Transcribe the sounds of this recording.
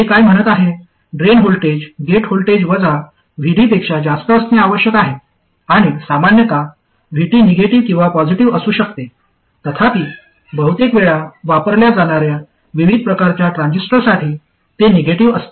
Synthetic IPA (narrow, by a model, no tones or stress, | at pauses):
ɦekajm̤əɽ̃ət̪aɦe | ɖɾenɦolʈed͡ʑɡeʈholʈed͡ʑʋəd͡za | ʋ̤ʱiɽiːpekʂad͡zast̪əːst̪ẽaʋəɕjəkaɦe | aɽ̃isamanjət̪a | ʋ̤ʱiʈiːneɡeʈiʋkĩw̃ʋapɔd͡ʑiʈiʋəsuːɕəkt̪e | t̪ət̪ʰap̪iː | bəɦut̪ekʋeɭaʋapəɾljad͡zaɽ̃aɾja | ʋiʋid̪̚ʱpɾəkaɾt͡ɕjaʈɾãnd͡ʑisʈəɾsaʈʰiː | t̪eneɡeʈiʋəst̪e